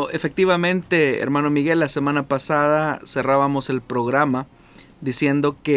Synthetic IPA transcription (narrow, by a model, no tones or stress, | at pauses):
efe̞k̚t̪iβamẽ̞nt̪e̞ḛɾmanomiɣe̞lːase̞mãnapasaðase̞raβamo̞se̞lpɾo̞ɣɾama | d̪isje̞nd̪o̞ke